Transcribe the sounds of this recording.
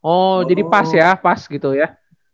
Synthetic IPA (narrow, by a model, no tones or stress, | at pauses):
ɔd͡ʒadipasjapasɡit̪uja